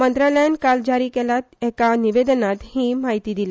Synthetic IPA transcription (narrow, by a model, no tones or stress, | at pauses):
mənt̪ɾaləjənkald͡ʑaɾiːkɛlat̪ɛkaniʋed̪ənat̪hiːmaɦit̪iːd̪ila